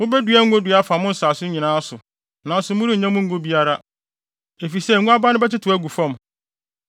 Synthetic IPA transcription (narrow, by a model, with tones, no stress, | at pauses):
mʊ̃˦bæ˦du˨˦æ˦ŋ̩˦ɡo˦du˨a˦fa˨mʊ̃˦n̩˦saː˨sʊ˦ɲĩ˨nãː˦sʊ˨ | nã˨n˦sʊ˨mʊ̃˦ɾi˦˨ɲã˦mʊ̃˦ŋ̩˦ɡo˦bi˦a˦ɾa˦ | e˨fi˨sɛ˦˨ũ˦a˦ba˦nʊ̃˦bɛ˦tɪ˦tʰʊ˨æ˦ɡu˨fɔ̃˦˨m